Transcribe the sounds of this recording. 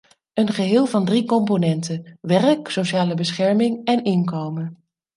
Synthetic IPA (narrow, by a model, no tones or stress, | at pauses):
ənχəɦɪːlˠvɑndrikɔmponɛntənʋɛrksowʃaːləbəsχɛɹmɪŋɛnɪnkowmən